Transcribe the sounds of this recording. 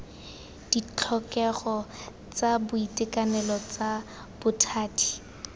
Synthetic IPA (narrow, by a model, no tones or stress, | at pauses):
d̥it͡ɬʰɔkɛɣɔ | t͡sabʊitʼɪkanɛlɔt͡sa | b̥ʊtʰaːti̥